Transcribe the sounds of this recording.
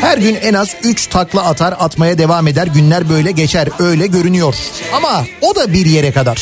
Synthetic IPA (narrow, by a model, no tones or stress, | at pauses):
hæɾɟynɛnazyt͡ʃt̪ʰaklˠaat̪ʰaɾat̪majad̪e̞vaːme̞d̪æɾɟynlʲæɾbø̞jlʲɛɟet͡ʃʰæɾø̞jlʲɛɟø̞ɾynyjo̞ɾ̥amao̞d̪abiɾje̞ɾɛkad̪aɾ̥